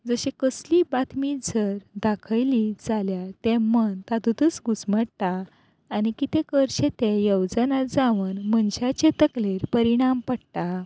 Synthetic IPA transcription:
d͡zəɕekəslibat̪mid͡zəɾd̪akʰəjlid͡zaljat̪emənt̪at̪ut̪ət͡sɡusməɽt̪aː | nikit̪ẽkəɾɕet̪ejəwd͡zənad͡zaʋənmənɕat͡ɕet̪əkleɾpəɾiɽ̃ampəɽt̪a

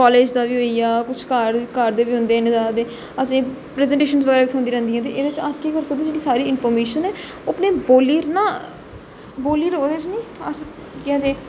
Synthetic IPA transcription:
kɔːleːd͡ʒd̪aːʋiːɦoːiaːkʊt͡ʃʰkəɾkəɾd̪eːʋiːɦʊ̃nd̪eːned̪aːd̪eː | əsĩːpɾɛːzɛ̃ːɳʈeːʃənzʋəɡɛɾaːʋɪt̪ʰɦʊ̃nd̪iːɾɛ̃ːnd̪iːɦɛ̃ːt̪eːʔeːd̪eʋɪt͡ʃaskiːkəɾsək̚d̪eːd͡ʒeːɽiːsaːɾiːɪnfʰɔːɾmeːʃənɛː | oːəpneːboːliːɾnãː | boːliːɾɦoːd̪eːt͡ʃnĩːəs | kɛ̃ːd̪eː

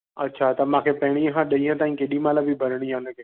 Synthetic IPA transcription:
ətːʃʰaːt̪əmãːkʰeːpɛɦɽ̃ĩːɦãːɗəĩɦãt̪ãːĩkeɗiːmaːlabʱibʱəɾɽ̃iːɦãːnəke

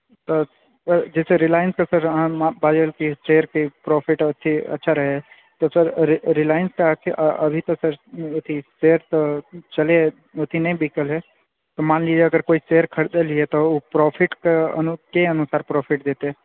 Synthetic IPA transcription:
t̪ɔ | d͡ʒɛːseɾɪlaːjənskesəɾ̃abaːd͡ʒəlkiseːəɾkepɾɔːpʰɪʈʊt̪ʰiɐ̰tːʃʰaɾɐɦeɦɛ | t̪ɔsəɾɾɪlaːjənskeakeʔɐbʱit̪ɐsəɾʊt̪ʰiseːəɾt̪ɔt͡ʃɐle | ʊt̪ʰinɐĩbikəlɦɛ | t̪ɔmaːnlid͡ʒeɐɡəɾkoːiseːəɾkʰəɽd̪eliɛt̪ɔopɾɔːpʰɪʈkeɐnkeɐnʊsaːɾpɾɔːpʰɪʈd̪eːt̪eɛ̃

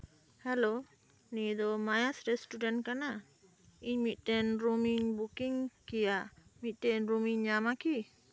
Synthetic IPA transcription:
hɛlo | nid̪ɔmajasɾɛstudɛnkana | iɲmitɛnɾumiɲbukiŋkijaʔmiʔtɛnɾumiɲːamaki

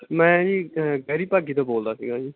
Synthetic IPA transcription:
mɛ̃ːd͡ʒiːɡəːɾiːpaːɡiːt̪õːboːld̪aːsḭːɡãːd͡ʒiː

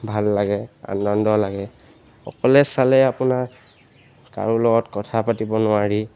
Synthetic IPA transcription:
bʱalːaɡɛa̰nːɔndɔlaɡɛ | xɔ̰kɔlɛsalɛapʊna | ka̰ɹulɔɡɔtkɔtʰapatibɔnʊaɹi

